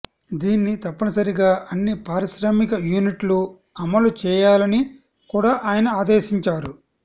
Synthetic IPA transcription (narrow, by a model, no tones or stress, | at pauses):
d̪iːnːit̪ɐpːɐnɐsɐɾiɡaːʔɐnːipaːɾiʃɾaːmikɐjuːniʈlu | ɐmɐlut͡ʃɛːjaːlɐni | kuːɽaːʔaːjɐnɐaːd̪ɛːʃiɲt͡ʃaːɾu